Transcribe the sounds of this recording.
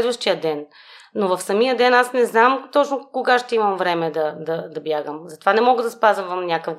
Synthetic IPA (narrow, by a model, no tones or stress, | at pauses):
d̪vəʃt̪ijəd̪ɛn | novɐfsɐmijəd̪ɛnasnɛznamt̪ɔt͡ʃnokoɡaʃt̪ɛimɐmvɾɛmɛd̪ɐd̪ɐd̪ɐbjaɡəmzɐt̪ovanɛmɔɡəd̪ɐspazəmvɐmnʲakəv